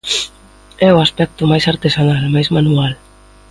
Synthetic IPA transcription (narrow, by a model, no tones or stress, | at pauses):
ɛwaspɛk̚t̪umajsaɾt̪esanalmajzmanual